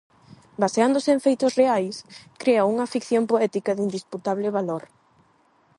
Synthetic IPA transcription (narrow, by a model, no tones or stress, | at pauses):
baseand̪ʊsɪẽɱfejt̪ʊsreajskɾeauŋɐfikθjompoɛt̪ikɐðind̪isput̪aβ̞lɪβaloɾ